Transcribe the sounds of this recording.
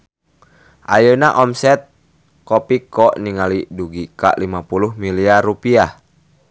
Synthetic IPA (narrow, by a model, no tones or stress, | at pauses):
ʔajənaʔɔmsɛt̪̚ | kɔpikɔʔniŋaliduɡika̰limapuluhmiliarupia